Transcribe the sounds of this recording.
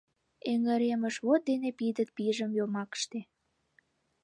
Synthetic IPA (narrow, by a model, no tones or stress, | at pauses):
eŋə̆ɾeməʃβot̪̚d̪enepid̪ət̪̚piʒəmjomɑkə̥ʃt̪e